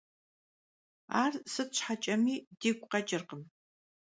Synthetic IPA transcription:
aːrsɨɕħat͡ʃʼɐmiːdiːɡʷʼqɐt͡ʃʼɪrqəm

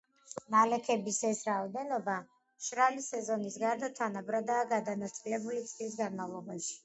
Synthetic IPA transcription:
malɛkʰɛbisɛsɾaɔd̪ɛnɔba | ʃɾalisɛzɔnisɡaɾd̪at̪ʰanabɾad̪aːɡad̪anat̪sʼilɛbulit̪sʼlis̬ɡanmavlˠɔbaʃi̥

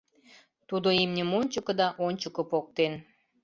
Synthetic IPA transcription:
t̪ud̪oimnʲəmonʲt͡ɕə̆kə̆d̪ɑʔonʲt͡ɕəkə̆pok̚t̪en

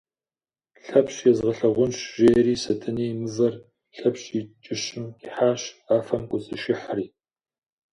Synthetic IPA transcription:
ɬɐpɕjɛzʁɐɬɐʁʷʊnʃʒeːɾiːsɐtʰɨniːmɨzɐr | ɬɐpɕit͡ʃʼɪɕɪmkʼiħaːɕaːfɐmkʷʼʊsʼɨʃɪħriː

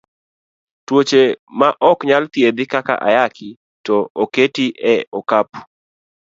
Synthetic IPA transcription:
twot͡ʃemaʔɔkɲalt̪jed̪ɪkaka̰ʔa̰jakʰi | tɔoketiʔɛɔkapu̥

